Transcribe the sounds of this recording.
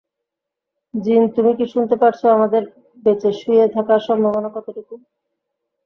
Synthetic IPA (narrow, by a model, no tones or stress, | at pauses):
d͡ʑint̪umikiʃunt̪epaʈt͡ɕʰoamad̪eɾ | bet͡ɕeʃujet̪ʰakaɾʃɔmbʱaβonokɔt̪ʰoʈekum